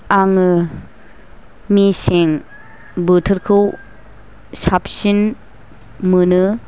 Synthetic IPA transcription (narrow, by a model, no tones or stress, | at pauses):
aŋɯ | miseŋ | bɯtʰɯɾkʰɯw | sap̚sin | mɯnɯ